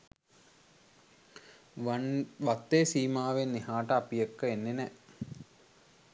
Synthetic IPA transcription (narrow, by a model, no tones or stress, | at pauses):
ʋat̪ːeːsiːmaːʋenːeɦaːʈəapijəkːəenːenɛ